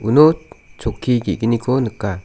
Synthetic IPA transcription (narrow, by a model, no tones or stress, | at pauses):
unɔt͡ʃɔkʰːiɡḭʔɡinikʰɔnɯkːa